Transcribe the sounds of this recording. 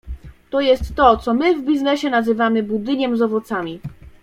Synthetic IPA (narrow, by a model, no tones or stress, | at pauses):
t̪ɔjɛst̪ːɔt̪sɔmɘvbʲiznɛɕɛnazɘvamɘbud̪ɘɲɛmzɔvɔt̪samʲi